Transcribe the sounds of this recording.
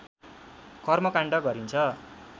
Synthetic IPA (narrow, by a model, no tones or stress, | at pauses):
kʌrmʌkaɳɖʌɡʌɾint͡sʰʌ